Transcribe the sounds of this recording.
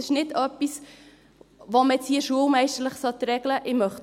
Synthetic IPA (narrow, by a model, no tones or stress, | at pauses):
ɪʃnɪdœpːis | ʋoməɛt͡shiːəʃuəlmɛɪʃtəɾləχsɔt̪ɾɛɡləʔɪmœχ